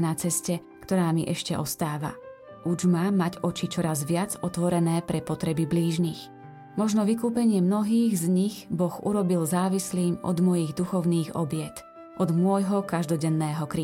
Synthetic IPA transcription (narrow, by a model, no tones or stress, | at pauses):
nat͡sɛscɛ | kt̪ɔɾaːmiʔɛʃcɛʔɔst̪aːʋa̰ | ʔuʒmaːmːaɟɔt͡ʃit͡ʃɔɾazʋɪad͡zɔt̪ʋɔɾɛnɛːpɾɛpɔt̪ɾɛbibliːʒnix | mɔʒnɔʋikuːpɛɲɪɛmnɔɦiːɣzɲiɣbɔɣṵɾɔbilzaːʋisliːmɔ̰d̪mɔjiɣd̪uxɔʊniːɣɔ̰bɪɛt̪ | ʔɔd̪mʊɔjɦɔkaʒd̪ɔɟɛnːɛːɦɔkɾiː